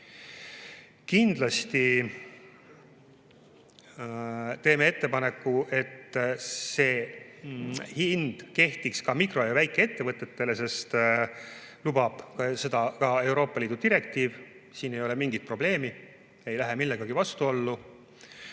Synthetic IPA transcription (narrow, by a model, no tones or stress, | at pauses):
kind̪̥lɑst̪i | t̪e̞ːmee̞t̪ːe̞pɑne̞kːuʔe̞t̪se̞ː | hind̪̥ke̞ht̪ikskɑmikro̞jɑvæjkːˑe̞et̪ːe̞vɤt̪ːˑe̞t̪ːe̞le̞se̞st̪ | lubɑb̥kse̞d̪̥ɑkɑe̞wɾo̞ːpˑːɑliːd̪̥ud̪iɾe̞kt̪iːvsiːne̞jo̞le̞miŋɡit̪̚pro̞b̥le̞ːmi | e̞jlæɦemilːeɡɑɡ̥ivɑst̪uo̞lːu